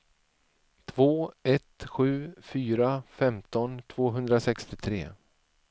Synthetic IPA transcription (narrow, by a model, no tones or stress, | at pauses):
t̪ʰvoːɛt̪ɧʉ̟ːfyːɾafɛmt̪ɔnt̪ʰv̥oːɦɵnd̪ɾasɛkst̪ɪt̪ʰɾḛː